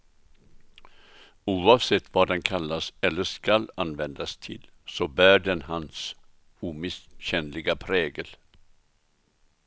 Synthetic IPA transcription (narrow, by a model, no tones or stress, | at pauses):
ʉːɑːvsɛt̪ːvɑːɖɛnkʰalːasɛlːəʂkalanvɛnd̪ast̪ʰɪ̰lsɔbæːɖɛnhans | uːmɪsɕɛnlɪɡapʰɾeːɡəl